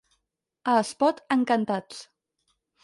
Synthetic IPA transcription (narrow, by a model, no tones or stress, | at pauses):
əspɔt̪əŋkənt̪at͡s